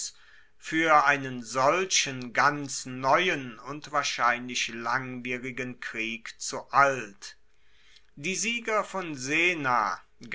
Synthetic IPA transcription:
fyːɐʔaɪnənzɔlɕənɡant͡snɔʏənʊntv̥aːɐʃaɪnlɪçlaŋviːʁɪɡənkʁ̥iːkt͡suʔalt | d̥iːziːɡɐfɔnzeːna̰

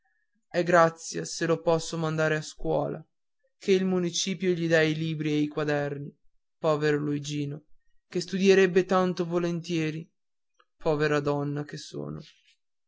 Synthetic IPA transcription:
ɛɡɾat̪sːjaselopɔsːomand̪aːɾeaskwɔ̰ːlʔa̰ | kʰeilmunit͡ʃiːpjoʎid̪ailiːbɾiejkwad̪ɛrni | pɔːveɾoluid͡ʒiːno | kest̪ud̪jeɾɛbːet̪ant̪ovolent̪jɛːɾi | pʰɔːveɾad̪ɔnːakeso̰ːno̰

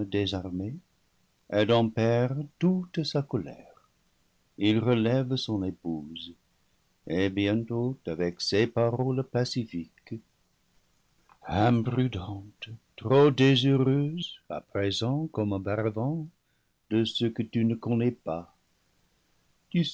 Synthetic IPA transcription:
d̪ezaʁme | ɛdɑ̃pɛʁtut̪sakɔlɛ̰ʁ | ilʁəlɛvsɔ̃nepuz | ebjɛ̃nt̪otavɛksepaʁɔlpasifik | ɛ̃pʁyd̪ɑ̃t̪tʁod̪ezəʁøza̰pʁezɑ̃kɔmə̃baʁavɑ̃ | d̥̪əsəkət̪ynəkɔ̃nɛpa | t̪y

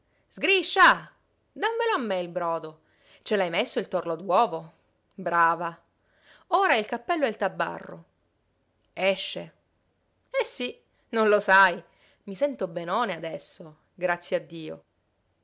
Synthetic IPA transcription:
z̥ɡɾiʃːa | d̪amːeloamːeilbɾɔːd̪o | t͡ʃelajmesːoilt̪orlod̪wɔːvo | bɾaːva | oːɾailkapːɛlːoɛlt̪abːa̰rːo̰ | ɛʃːe | ɛsːi | nonlosaj | misɛnt̪obenɔːnead̪ɛsːo | ɡɾat̪sːjead̪ːiːo̰

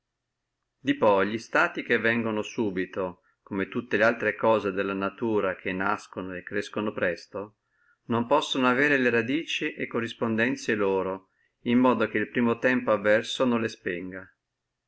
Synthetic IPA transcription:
d̪ipɔjʎist̪aːt̪ik̟evːɛŋɡonosuːbit̪o | komet̪ut̪ːelealt̪ɾekɔːzed̪elːanat̪uːɾak̟ʰenːaskonoekːɾeskonopɾɛst̪o | nompɔsːonoaveːɾeleɾad̪iːt͡ʃiʔekːorːispond̪ɛnt̪sjeloːɾo | imːɔːd̪ok̟eilpɾiːmot̪ɛmpoavːɛrsonõnlespɛŋɡa

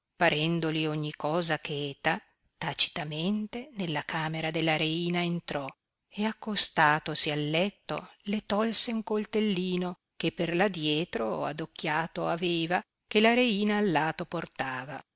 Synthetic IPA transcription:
paɾɛnd̪olioɲːikɔːzakʰɛːt̪a | t̪at͡ʃi̥t̪ament̪enelːakaːmeɾad̪elːaɾeiːnaent̪ɾɔ | eakːost̪aːt̪osialːɛt̪ːo̰let̪ɔlseuŋkolt̪elːiːno | kepːerlad̪jɛːt̪ɾoa̰d̪okːjaːt̪oaveːva | kelaɾeiːnaːlːaːt̪oport̪aːva

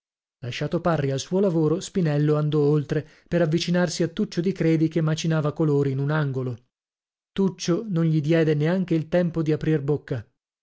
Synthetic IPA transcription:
laʃːaːt̪oparːialsuolavoːɾospinɛlːoand̪ɔolt̪ɾe | peɾavːit͡ʃinarsiat̪ːut͡ʃːod̪ikɾeːd̪ikemːat͡ʃinaːvakoloːɾiːnunaŋɡolo | t̪ut͡ʃːononʎid̪jɛːd̪eneaŋk̟eilt̪ɛmpod̪iapɾirbokːa

